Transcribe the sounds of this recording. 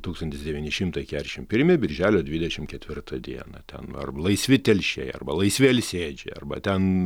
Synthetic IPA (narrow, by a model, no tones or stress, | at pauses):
t̪uːkst̪ɐnʲt̪ʲɪsd̪ʲɛʋʲiːnʲɪʃʲɪmt̪ɐɪkʲæːɾʲʃʲɪmpʲɪɾʲmʲɪbʲɪɾʲʒʲæːlʲoːd̪ʲʋʲɪd̪ʲɛʃʲɪmkʲɛt̪ʲʋʲɪrt̪ʰɐd̪ʲiɛnɐt̪ʲɛ̰nɐ̰rlˠɐɪsʲʋʲɪt̪ʲɛlʲʃʲɛ̰ɪɐ̰rbɐlˠɐɪsʲʋʲeːlʲsʲeːd͡ʒʲɛ̰ɐ̰rbɐ̰t̪ʲɛn